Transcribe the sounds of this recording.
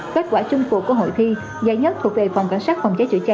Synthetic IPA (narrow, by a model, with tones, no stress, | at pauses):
ke˦˥t̚kwaː˧˩t͡ɕɨ˧ŋfṵ˧˩kːɦo̰˧˨jt̪ʰi˧ | zaː˧˩jɲə˦˥t̚t̪ʰk̚ve˨˩fa˨˩wŋ͡mka˧˩jŋ̟saː˦˥t̚fɔ˨˩ŋ͡mt͡ɕaː˨˦j̚t͡ɕṵ˧˩˦t͡ɕa˧